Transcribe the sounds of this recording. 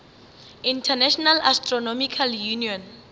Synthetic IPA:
ĩntʰanɛʃɔnalastrɔnɔmikʰaljuniɔn

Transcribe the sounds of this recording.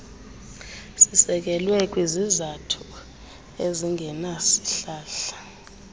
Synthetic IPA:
sisɛk̬ʼɛlwɛkʼwizizatʰu | eziŋɡʱɛnasi̥ɬaːɬḁ

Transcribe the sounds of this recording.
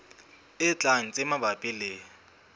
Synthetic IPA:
ɪt͡ɬʼaŋ̩t͡sʼɪmabapʼɪleːɔ

